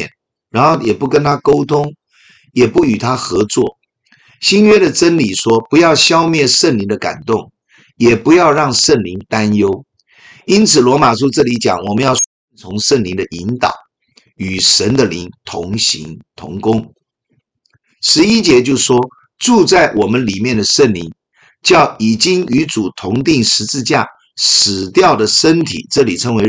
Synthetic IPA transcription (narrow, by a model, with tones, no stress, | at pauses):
ɛ˨˩n | ɻa˧˥nxo˥˩ʊjɛ˨˩pu˥˩kə˦nt̪ʰa˥ko˥ʊt̪ʰʊ˥ŋ | jɛ˨˩pu˥˩y˨˩t̪ʰa˥xɤ˧˥˦t͡swɔ̰˥˩ | ɕi˥nɥɛ˥ɾə˨ʈ͡ʂə˥nli˨˩ʂwɔ˥pu˧˥jɑ˥˩ʊɕjɑ˥ʊmjɛ˥˩nʂə˥˩nli˧˥ŋd̪ə˧ka̰˨˩nt̪ʊ˥˩ŋ | jɛ˨˩pu˧˥jɑ˥˧ʊɻɑ˥˧ŋʂə˥˩nli˧˥ŋt̪a˦˥njo˥ʊ | i˥nt͡sʰɹ̩˨˩lwɔ˧˥ma˨˩ʂ̬u˥ʈ͡ʂɤ˥˩li˧˥t͡ɕjɑ̰˨˩˦ŋwɔ˨˩mə˨˦njɑ˥˩ʊst͡sʰʊ˧˥ŋʂə˥˩nli˧˥ŋd̪ə˨ʔi˧˥nt̪ɑ̰˨˩˦ʊ | y˨˩ʂə˧˥nd̪ə˨li˧˥ŋt̪ʰʊ˧˥ŋɕḭ˧˥ŋt̪ʰʊ̰˧˥ŋkʊ˥ŋ | ʂɻ̩˧˥i˦˥t͡ɕjɛ˧˥t͡ɕjo˥˩ʊʂwɔ˥ | ʈ͡ʂu˥˧t͡sa˥˩ɪwʔɔ˨˩mə˦nli˨˩mjɛ˥˩nd̪ə˩ʂə˥˩nli˧˥ŋ | t͡ɕjɑ˥˩ʊi˨˩t͡ɕi˥ŋy˧˥t͡su˨˩t̪ʰʊ˧˥ŋt̪̬i˥˩ŋʂɻ̩˧˥t͡sɹ̩˥˧t͡ɕja̰˥˩ | ʂɻ̩˨˩t̪jɑ˥˩ʊd̪ə˩ʂə˥nt̪ʰḭ˨˩ʈ͡ʂɤ˥˩li˨˩ʈ͡ʂʰə˧˥ŋwe˧˥ɪ